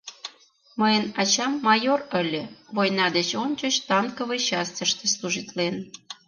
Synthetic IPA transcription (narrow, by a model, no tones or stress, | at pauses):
məjənɑt͡ɕɑmːɑjorə̆lʲə̆βojnɑd̪et͡ɕonʲt͡ɕət͡ɕt̪ɑŋkəβət͡ɕɑst̪ʲəʃt̪ĕslˠuʒit̪len